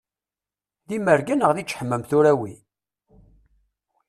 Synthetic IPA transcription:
ðiməɾɡənəʁðit͡ʃːħəmːəmθuɾæwi

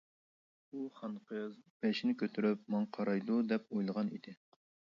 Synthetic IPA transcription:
uχɑnqʰəzb̥ɛʃinɪkʲʰøt̪ʰyɾyp̚mɑŋqʰɑɾɑjd̪ud̪ɛp̚ojlˠəʁɑnḭd̪ɪ

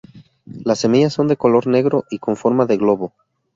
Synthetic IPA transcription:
lasːe̞miʝasːo̞nd̪e̞ko̞lo̞ɾne̞ɣɾo̞ʔiko̞ɱfo̞ɾmaðe̞ɣlo̞βo̞

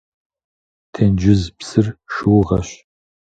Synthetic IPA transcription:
tʰend͡ʒɪzpsɨrʃɨwʁɐɕ

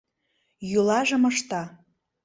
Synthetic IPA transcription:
julɑʒɤ̆məʃt̪ɑ

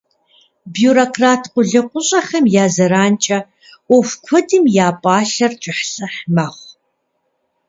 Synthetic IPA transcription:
bijuːɾokʰraːtʰqʷʊɮɨqʷʊɕʼɐχɐmjaːzɐɾaːnt͡ʃʼɐ | ɔfkʷʰɔdɨmjaːpʼɑːɬɐrt͡ʃʼɪħɬɐħmɐχʷ

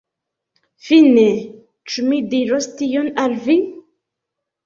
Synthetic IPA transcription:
fine | t͡ʃumidiɾostionalvi

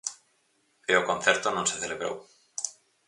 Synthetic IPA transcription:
veokonθjeɾt̪ononseθeleβɾo̰w

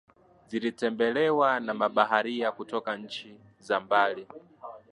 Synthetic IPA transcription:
zilitɛmbɛlɛwanamaɓaɦaɾiakutɔkaɲ̩t͡ʃi | zambaːli

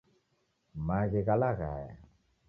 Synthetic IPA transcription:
maɣeɣalaɣaja̰

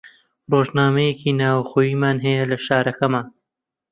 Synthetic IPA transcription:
roːʒnaːmɐjekiːnaːwxoːjiːmaːnɦɐjɐlɐʃaːɾɐkɐmaːn

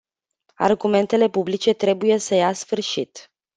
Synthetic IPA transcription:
a̰rɡume̞nt̪e̞le̞publit͡ʃe̞t̪ɾe̞buje̞səjasfɨrʃit̪

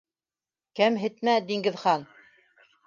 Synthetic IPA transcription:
kæmɦɘ̆t̪mæd̪iŋɡɘ̆ðχɑn

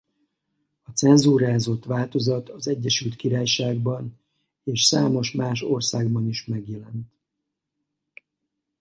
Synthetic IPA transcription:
ɒt̪sɛnzuːɾaːzo̞t̪ʋaːlt̪o̞zɒt̪ɒzɛɟːɛʃylt̪kiɾaːjʃaːɡ̚bɒn | eːʃsaːmo̞ʃmaːʃorsaːɡbɒniʃmɛɡjɛlɛnt̪

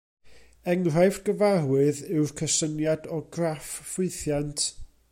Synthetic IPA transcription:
ɛŋr̥ajfɡəvarwɨðɪwrkʰəsənjadɔɡraffɪɨθjantʰ

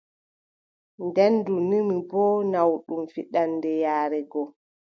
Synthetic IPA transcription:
ndɛndunimibɔːnawɗumfiɗandɛjaːɾɛɡɔ

